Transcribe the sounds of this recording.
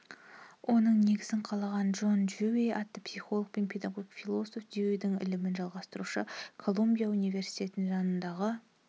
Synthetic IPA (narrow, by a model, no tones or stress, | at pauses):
wʔo̞nəɴne̞ɡʲɪzɪɴqʰɑlˠɑʁɑnʒo̞nʒøwejɑt̪ːəpsijχo̞lˠəɡ̚pe̞npʰe̞d̪ɑɡoɡikfʲilˠo̞so̞fd̪iejd̪ɪŋɪ̰lɪmɪnʒɑlˠʁɑst̪əɾuʃəkʰo̞lˠumbʲijaunijve̞ɾsi̥jt̪ʰʲe̞t̪ɪnɪŋʒɑnənd̪ɑʁə